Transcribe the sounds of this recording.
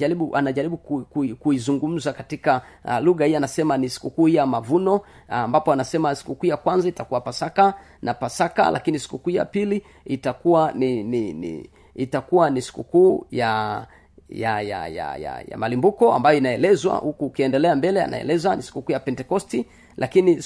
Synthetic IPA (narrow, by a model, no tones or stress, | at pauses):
aɾiɓuʔanaʄaɾiɓukkkuizuŋɡum̩zakatikaluɣahianasɛmanisi̥kukuːhijamavunɔ | ambapɔanasɛmasi̥kukuːjakwanzaitakuwapasaka | napasaka̰lʔa̰kinisi̥kukuːja̰pili | itakuanininḭ | itakuwanisi̥kukuːja | jaja̰ja̰ja̰ja̰malimbukɔa̰mbajɔinaɛlɛzwa̰hukuːkiɛndɛlɛambɛlɛa̰na̰ɛ̰lɛzwanisi̥kukuːjapɛntɛkɔsti | lʔakini